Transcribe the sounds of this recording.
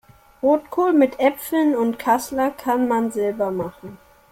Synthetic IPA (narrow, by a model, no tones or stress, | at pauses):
ʁoːtkʰoːlmɪtʔɛpp͡fl̩nʊntkʰaslɐkʰanmanzɛlbɐmaχn̩